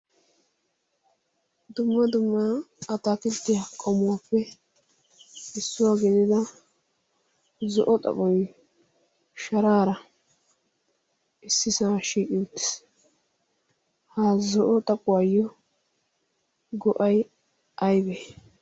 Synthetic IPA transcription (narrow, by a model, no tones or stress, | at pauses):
d̪ʊmːɐd̪ʊmːɐɐt̪aːkɪt̪ːɪjakʼɔmʊwapːɛ | ɪsːʊwaɡɪd̪ɪd̪ɐ | zɔʔɔt̪ʼɐ̰pʼɔj | ʃɐɾaːɾɐ | ɪsːɪsaːʃiːkʼɪwt̪ːɪ̥s | haːzɔʔɔt̪ʼɐpʼʊwajːɔ | ɡɔʔɐj | ɐjbeː